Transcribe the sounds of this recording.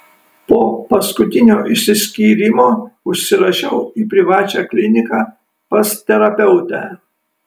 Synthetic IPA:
poːpɐskʊt̪ʲɪnʲoːʔɪʃʲsʲɪsʲkʲiːɾʲɪmoːʊʃʲsʲɪɾɐʃʲɛʊiːpʲɾʲɪʋɑːt͡ʃʲæːklʲɪnʲɪkɑː | pɐst̪ʲɛɾɐpʲɛʊt̪ʲæː

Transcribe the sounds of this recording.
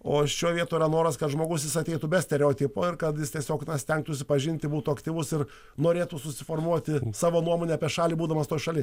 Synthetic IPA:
oːʃʲuːʋʲiɛt̪uːiɾɐnoːɾɐskɐt̪ʒmoːɡʊs̬jʲɪsɐt̪ʲɛɪt̪ʊbʲɛsʲt̪ʲɛɾʲɛoːt̪ʲɪpoːɪrkɐt̪jɪst̪ʲiɛsʲoːknɐsʲt̪ʲɛŋk̚t̪ʊʃsʲɪpɐʒʲɪnʲt̪ʲɪbuːt̪ʊɐkt̪ʲiːʋʊsɪr | noːɾʲeːt̪ʊsʊsʲɪfoːrmuɔt̪ʲɪsɑːʋoːnuɔmoːnʲɛɐːpʲiɛʃɑːlʲiːbuːd̪ɐmɐst̪oːjʃɐlʲɪs

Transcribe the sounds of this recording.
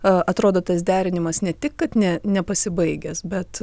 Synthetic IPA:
ʔɐt̪ɾoːd̪oːt̪ɐsd̪ʲæːɾʲɪnʲɪmɐsnʲɛt̪ʲɪkkɐt̪nʲɛnʲɛpɐsʲɪbɐɪɡʲɛsbʲɛt̪

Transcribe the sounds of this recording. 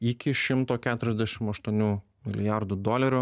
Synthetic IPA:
ɪkʲɪʃʲɪmt̪oːkʲæːt̪ʊɾʲɛzʲd̪ʲɛʃʲɪmɐʃt̪uɔnʲuː | mʲɪlʲɪjaɾd̪ʊd̪oːlʲɛɾʲʊ

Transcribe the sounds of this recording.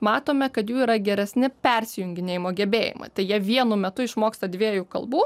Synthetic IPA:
mɑːt̪oːmʲɛkɐt̪juːiːɾɐɡʲɛɾʲɛsʲnʲɪpʲɛɾʲsʲɪjʊŋʲɡʲɪnʲeːjɪmoːɡʲɛbʲeːjɪ̰mɐ̰t̪ɐɪjiɛʋʲiɛnʊmʲɛt̪ʊɪʃmoːkst̪ɐd̪ʲʋʲiɛjukɐ̰lˠbuː

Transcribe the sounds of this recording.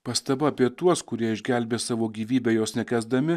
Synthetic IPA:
pɐst̪ɐbɐɐːpʲiɛt̪uɔskʊɾʲiɛɪʒʲɡʲæˑlʲbʲeːsɑːʋoːɡʲiːʋʲiːbʲeːjoːsnʲɛkʲæːzd̪ɐmʲɪ

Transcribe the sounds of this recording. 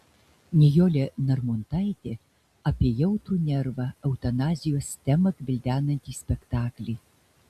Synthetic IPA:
nʲɛjoːlʲenɐɾmʊnt̪ɐɪt̪ʲe | ɐpʲiɛjɛʊt̪ɾuːnʲɛɾʋɐɐʊt̪ɐnɑːzʲɪjoːst̪ʲɛmɐkbʲɪlʲd̪ʲæːnɐnʲt̪ʲiːsʲpʲɛkt̪ɑːklʲɛj

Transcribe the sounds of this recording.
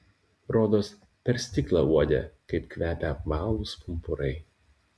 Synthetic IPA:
ɾoːd̪oːs | pʲɛɾʲsʲt̪ʲɪklˠɑuɔd̪ʲḛkɐɪpkʋʲæːpʲɛɐpmɑːlˠʊspʊmpʊɾɐɪ

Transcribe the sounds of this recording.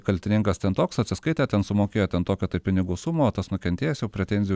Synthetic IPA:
kɐlʲt̪ʲɪnʲɪŋkɐst̪ʲɛnt̪oːksɐt̪ʲsʲɪskɐɪt̪ʲæːt̪ʲɛnsʊmoːkʲeːjoːt̪ʲɛnt̪oːkʲot̪ɐɪpʲɪnʲɪɡʊsʊmoːt̪ɐsnʊkʲɛnt̪ʲeːjɛːsjɛʊpʲɾʲɛt̪ʲɛnʲzʲɪj

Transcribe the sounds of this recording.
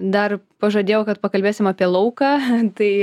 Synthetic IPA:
d̪ɐrpɐʒod̪ʲeːjɛkɐt̪pɐkɐlʲbʲeːsʲɪmaːpʲiɛlˠɐʊkɑːt̪ɐɪ

